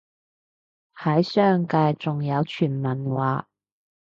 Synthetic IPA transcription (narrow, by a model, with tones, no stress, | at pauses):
hɐ˨˧˥jsœː˥ŋkaː˧jt͡sʊ˨ŋjɐ˨˧wt͡ʃʰyː˨˩nmɐ˨˩nwaː˨˧